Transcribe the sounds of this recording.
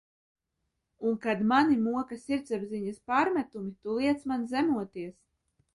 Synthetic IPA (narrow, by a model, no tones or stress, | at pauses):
unkad̪manimuɔkasʲiɾd̪zɛbziɲaspaːɾmʲæt̪umit̪ulˠiɛt̪smanzæmuɔt̪iɛs